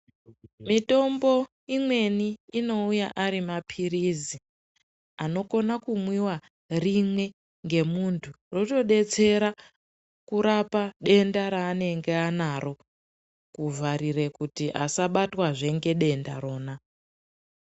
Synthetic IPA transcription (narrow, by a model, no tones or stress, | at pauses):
mito̞mbo̞ | imwe̞niːno̞ujaʔaɾimapʰiɾizi | ano̞ko̞nakumwiwa | rimwe̞ | ŋɡe̞muntʰu | ro̞to̞ɗe̞t͡se̞ɾa | kuɾapaɗe̞ndaɾaːne̞ŋɡe̞anaɾo̞ | kuvaɾire̞kutiʔa̰saɓatwaʐe̞ŋɡe̞ɗe̞nda̰ɾo̞ːna